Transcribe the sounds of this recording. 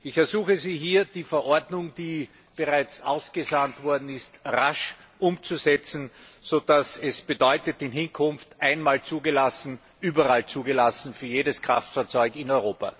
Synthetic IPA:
ɪçɛɐzuːxəziːɦiːɐd̥iːfɛɐʔɔɐdnʊŋd̥iː | b̥eʁaɪt͡sʔa̰ʊsɡ̥əzantv̥ɔɐdn̩ɪstʁaʃ | ʔʊmt͡suzɛt͡sn̩z̥od̥asɛsb̥ədɔʏtətɪnɦɪnkʰʊnftʔaɪnmaːlt͡suːɡəlasn̩ | ʔyːbɐʁalt͡suːɡəlasn̩fyːɐjeːdəskʁ̥a̰ftfaːɐt͡sɔʏkɪnɔʏʁoːpa̰

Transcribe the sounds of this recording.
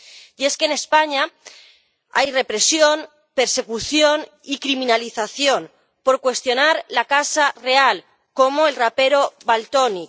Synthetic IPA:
je̞skene̞spaɲa | a̰jre̞pɾe̞sjo̞n | pe̞ɾse̞kuθjo̞n | ikɾimĩnaliθaθjo̞n | po̞ɾkwe̞st̪jo̞naɾlakasare̞al | ko̞moe̞lrape̞ɾo̞βalt̪oni

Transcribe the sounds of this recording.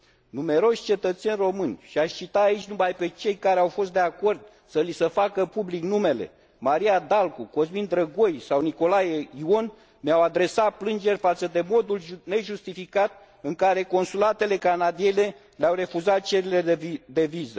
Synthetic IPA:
nume̞ɾo̞ʃʲt͡ʃe̞t̪ət̪se̞nʲro̞mɨnʲʃiaʃʲt͡ʃit̪aait͡ʃʲnumajpe̞t͡ʃe̞jkaɾeawfo̞s̬t̪d̪e̞ako̞rd̪̚ | səlisəfakəpubliknume̞le̞̰ | maɾiad̪alkuko̞zmind̪ɾəɡo̞jsawniko̞lajeio̞n | meawad̪ɾe̞sat̪̚plɨnd͡ʒe̞rʲfat̪səd̪e̞mo̞d̪ulne̞ʒust̪ifikat̪̚ | ɨŋkaɾe̞ko̞nsulat̪e̞le̞kanad̪iele̞ | leawre̞fuzat̪̚t͡ʃe̞ɾiled̪e̞vizə

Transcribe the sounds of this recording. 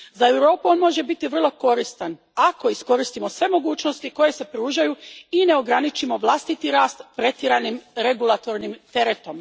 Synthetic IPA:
zae̞wɾo̞ːpuo̞nmo̞ʒe̞bit̪iʋr̩lˠo̞ko̞ɾist̪an | ako̞isko̞ɾist̪imo̞sʋe̞mo̞ɡuːt͡ʃno̞st̪iko̞je̞se̞pɾuːʒajuine̞o̞ɡɾanit͡ʃimo̞ʋlˠast̪it̪iɾaːst̪pɾe̞t̪iɾanimɾe̞ɡulˠat̪o̞ɾnimt̪e̞ɾet̪o̞m

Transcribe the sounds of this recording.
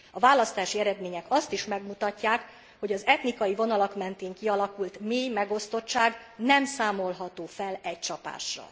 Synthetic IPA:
ɒvaːlɒst̪aːʃiɛɾɛd̪meːɲɛkɒst̪iʃmɛɡmut̪ɒcːaːk | ho̞ɟɒzɛt̪nikɒjivo̞nɒlɒkmɛnt̪eːŋkiɒlɒkult̪meːjmɛɡo̞st̪o̞tt͡ʃːaːɡ | nɛmsaːmo̞lɦɒt̪oːfɛlɛct͡ʃɒpa̰ːʃrɒ̰

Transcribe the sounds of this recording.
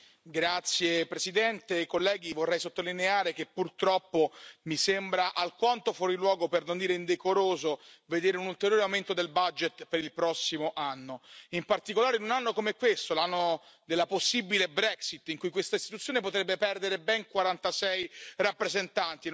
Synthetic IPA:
ɡɾat̪sjepɾesid̪ɛnt̪ekolːɛːɡivorːɛjsot̪ːolineaːɾek̟epːurt̪ɾɔpːomisembɾaʔalkwant̪ofwɔːɾilwɔːɡopernond̪iɾeind̪ekoɾoːzoved̪eːɾeunult̪eɾjoːɾeawment̪od̪elbad͡ʒet̪peɾilpɾɔsːimoʔanːoimpart̪ikolaːɾeinunanːokomeɛkːwest̪olanːo | d̪elːaposːibilebɾɛksit̪ːiŋkujkwest̪aist̪it̪ut̪sjoːnepot̪ɾɛbːepɛrd̪eɾebɛŋkwaɾant̪asɛjrapːɾezent̪ant̪i

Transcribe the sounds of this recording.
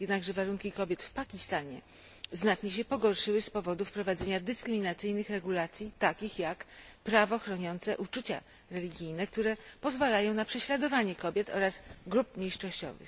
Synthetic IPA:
jɛd̪naɡʐɛvaɾuŋkʲikɔbʲjɛt̪fpakʲist̪aɲɛ̰ | znatɲɛɕ̬ɛpɔɡɔɾʂɘwɘspɔvɔd̪ufpɾɔvad̪zɛɲad̪ɘskɾɘmʲinat̪sɘjnɘxɾɛɡulat̪sʲjit̪akʲixjakpɾavɔxɾɔɲɔnt̪sɛ̰ʔut͡ʂut͡ɕa̰ | ɾɛlʲiɡʲijnɛk̚t̪uɾɛpɔzvalajɔ̃w̃napʂɛɕlad̪ɔvaɲɛkɔbʲjɛt̪ɔ̰ɾasɡɾup̚mʲjejʂɔɕt͡ɕɔ̰vɘ̰x

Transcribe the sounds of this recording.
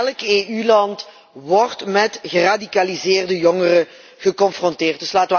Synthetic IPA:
ɛlkeːylɑnt | ʋɔrtmɛtɣəradikalizɪːrdəjɔŋərə | ɣəkɔnfrɔntɪːrt̚dɵslaːtəʋə

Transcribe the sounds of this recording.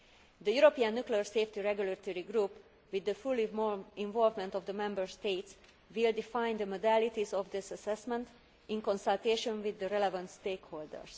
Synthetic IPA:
d̪əjuɾopiãnːukliəɹseːft̪iɹɛɡjulət̪oɹiɡɾuːp | wid̪ːəfulĩɱvɔlvmɛ̃nt̪ɔvd̪əmɛ̃mbəɹst̪eːt̪s | wild̪ifãjnd̪əmod̪ælit̪izɔfd̪ɪsəsɛsmɛ̃nt̪ | ĩnkɔ̃nsalt̪eːʃɔ̃nwid̪ːəɾɛlɛvãnt̪st̪eːkhoːld̪ə̰ɹs

